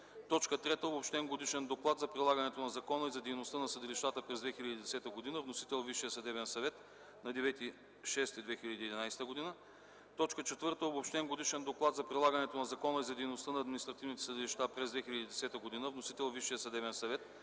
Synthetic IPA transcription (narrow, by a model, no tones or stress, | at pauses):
t̪ɔt͡ʃkət̪ɾɛt̪əobopʃt̪ɛnɡod̪iʃɛnd̪oklˠat̪zɐpɾilˠaɡɐnɛt̪onɐzɐkɔnəizɐd̪ɛjnost̪ənɐsəd̪iliʃt̪at̪əpɾɛzd̪vɛxilʲɐd̪id̪ɛsɛt̪əɡod̪inəvnosi̥t̪ɛlˠviʃijəsɐd̪ɛβɛnsɐvɛt̪ | nɐd̪ɛvɛt̪i | ʃɛst̪id̪vɛxilʲəd̪iːd̪ʲinajsɛ̥t̪əɡod̪inə | t̪ɔt͡ʃkət͡ʃɛt̪vɤɾt̪əobopʃt̪ɛnɡod̪iʃɛnd̪oklˠat̪zɐpɾilˠaɡɐnɛt̪onɐzɐkɔnəizɐd̪ɛjnost̪ənɐːd̪mʲinist̪ɾɐt̪ivnit̪ɛ̥səd̪ɪliʃt̪apɾɛzd̪vɛxilʲɐd̪iːd̪ɛsɛt̪əɡod̪inəvnosit̪ɛlˠviʃijəsɐd̪ɛβɛnsɐvɛt̪̚